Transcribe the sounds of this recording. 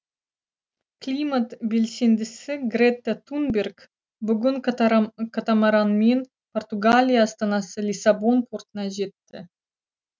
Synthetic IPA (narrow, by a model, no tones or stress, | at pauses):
klʲimat̪bʲelʲsʲend̪ɘsɪɡrʲet̪ːat̪unbʲerk | bʊɡʊnkɑt̪ɑmɑɾɑnmʲen | port̪uɡalʲijaːst̪ɑnɑsəlʲisabonpʰurt̪nɑʑet̪ːɘ